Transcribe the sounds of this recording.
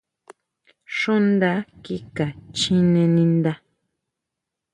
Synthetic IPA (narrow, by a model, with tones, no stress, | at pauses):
ʂũ˦nd̪a˧˦ki˦ka˨t͡ʃĩ˦nẽ˧nĩ˧nd̪a˧